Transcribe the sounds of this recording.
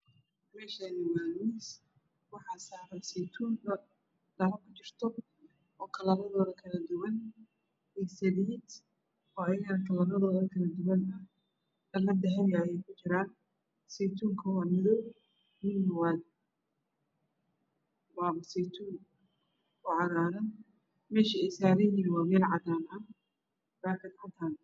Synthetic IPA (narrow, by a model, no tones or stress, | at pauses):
mɛːʃaːnɪwaːnis | wɑħɑsaːɾɐsɛjt̪ʰuːnɐ | ɖ̥ɐlɐkʰʊt͡ʃɪrt̪ʰɔ | ʔɔːkʰɐlɐnɐðɔːðɐkʰɐlɐd̪ʊwɐn | ɛsɐliːd̪ | ɔːɐjɐɣɐnɐkʰɐlɐnɐðɔːðɐkʰɐlɐd̪ʊwɐnɐ | ɐlɐd̪ɛɦɛnjajɛjkʰʊt͡ʃɪɾaːn | sɛjt̪ʰuːŋkʰɐwɑːmɪðɔw | mɪnːwan | baːβɐsɛjt̪ʰuːŋ | ʊʕɑɾaːðɐn | mɛːʃɐɛjsaːɾɛjiːwɑːmɛːlʕɑd̪aːnɐ | laːkʰɪd̪ħɐt̪ʰaːn